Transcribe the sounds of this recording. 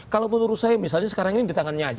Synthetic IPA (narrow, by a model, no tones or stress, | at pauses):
kalawpənuɾut̪sajamisalɲasə̥kaɾaŋinidit̪aŋanɲad͡ʒ